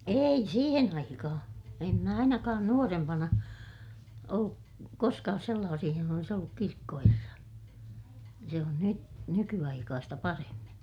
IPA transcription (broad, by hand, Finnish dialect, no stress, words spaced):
ei siːhen ɑikɑhɑ̃ː em mæ ɑinɑkɑːn nuorempɑnɑ olːuk koskɑːs selːɑːsih johonɑ olis olːuk kirkːoherːɑ se on ny nykyɑikɑːstɑ pɑremːin̞